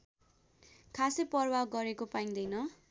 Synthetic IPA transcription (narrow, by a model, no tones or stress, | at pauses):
kʰasepʌrwaɡʌɾekopaĩŋd̪ʌjnʌ